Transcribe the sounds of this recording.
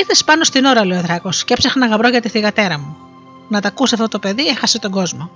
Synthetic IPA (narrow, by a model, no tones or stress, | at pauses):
iɾθespɐno̞st̪ino̞ɾɐleoeðɾɐko̞scepsexnɐɣɐbɾo̞ʝɐt̪iθiɣɐt̪e̞ɾɐmu | nɐt̪ɐkuseɐft̪ot̪ope̞ðiexɐset̪o̞ɡo̞zmo̞